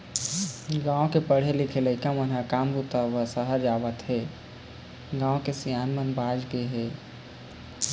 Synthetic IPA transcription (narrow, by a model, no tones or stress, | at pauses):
ɡãːõkepəɽ̤elikʰeləkamənɦəkamɾut̪əʋəsəɦəɾd͡ʒaʋət̪ɦe | ɡãːõkesijaːnmənbad͡ʒɡeɦe